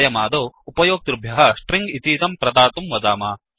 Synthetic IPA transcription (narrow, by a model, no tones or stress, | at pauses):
jɐmaːd̪oːupɐjoːk̚t̪ɾubʱjɐɦɐʂʈɾiŋɡit̪iːt̪ɐmpɾɐd̪aːt̪umʋɐd̪aːmaː